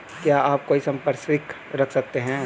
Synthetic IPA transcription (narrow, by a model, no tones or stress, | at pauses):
kjaːʔaːp̚koːisɐ̃mpəɾsɪk | ɾɐkʰsɐk̚t̪eɦɛ̃ː